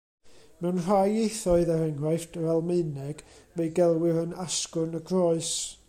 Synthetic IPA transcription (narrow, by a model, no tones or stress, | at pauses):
mɛwnr̥ajejθɔɨðaɾɛŋrajftvɛlˠmeɨnɛɡ̥mejɡɛlˠwɪɾənaskʊnəɡrɔɨs